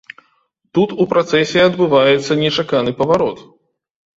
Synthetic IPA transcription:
t̪ut̪upɾat̪sɛsʲɛɐd̪bɨvajɛt̪sːɐnʲɛt͡ʂakanɨpɐvaɾɔt̪

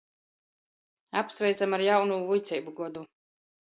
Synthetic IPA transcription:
apsvɛjt̪samaɾjawnuːvujt̪sʲɛjbuɡɔd̪u

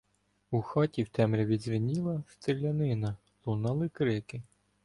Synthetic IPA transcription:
uxɑtʲiwt̪ɛmɾʲɐʋʲid̪zʲʋʲinʲilˠɐst̪ɪlʲːɐnɪnɐ | lˠunɑlˠɪkɾɪkɪ

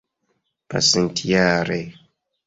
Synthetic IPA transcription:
pa̰sentʰijaːɾe

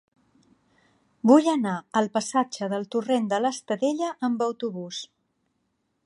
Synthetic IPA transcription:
bujənaəlˠpəsad͡ʒəðəlˠt̪urend̪ələst̪əðeʎəʔəmbəwt̪uβus

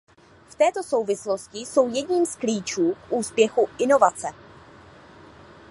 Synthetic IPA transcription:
ft̪ɛːt̪o̞so̞wvɪslo̞scɪso̞wjɛdɲiːmskliːt͡ʃuːkʔuːspjɛxuʔɪno̞vat͡sɛ

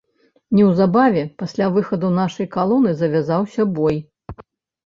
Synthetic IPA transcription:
nʲɛwzabavʲɛpasʲlʲavɨxɐd̪unaʂɐjkalˠɔnɨzɐvʲazawsʲɐbɔj

